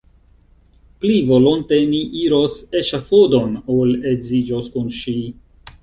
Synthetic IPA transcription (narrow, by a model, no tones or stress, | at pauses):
plivo̞lonte̞miʔiɾoseʃafodo̞nolezid͡ʒoskunʃi